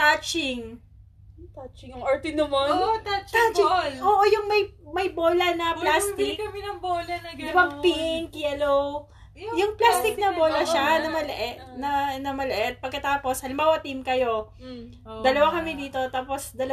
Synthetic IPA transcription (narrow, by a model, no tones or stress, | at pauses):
t̪at͡ʃɪŋ | t̪t͡ʃŋot̪inɐmot̪at͡ʃ̪at͡ʃɪlʔoːʔojʊŋmɐjmɐjboːlɐnɐplasɪkkɐmɛnɐboːlɐnɐpɐɡ̚pɪʔɪŋkjɛlow | jʊŋplast̪ɪk̚nɐboːlɐʃanɐmɐlɛʔɛnɐnɐmɐlɛʔɛt̪̚pɐɡ̚kɐt̪aːpo̞shɐlɪmbaːwɐt̪imkɐjo̞ | d̪ɐlɐwakɐmɛd̪iːt̪o̞t̪aːpo̞sd̪ɐlɐ